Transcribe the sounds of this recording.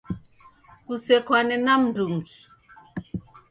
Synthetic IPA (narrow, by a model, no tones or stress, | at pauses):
kusɛkwanɛnam̩nduŋɡi